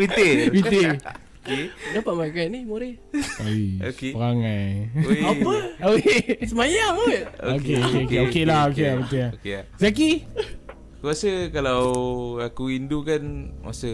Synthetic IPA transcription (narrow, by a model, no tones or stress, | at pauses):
bit̪ebit̪e | kedapaʔmakanimoɾɛ | oiokpəɾaŋajapəoesəmajaokeokeokeokkelahokelabit̪elaokezak̬i | kuasəkalawakuindukanwa̰sə